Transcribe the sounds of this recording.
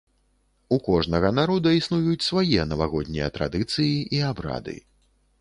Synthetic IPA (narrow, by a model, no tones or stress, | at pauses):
ukɔʐnɐɣɐnaɾɔd̪ɐisnujut͡sʲsvajɛnɐvaɣɔd̪ʲnʲijɐt̪ɾa̰d̪ɨt̪sɨjiiabɾa̰d̪ɨ̰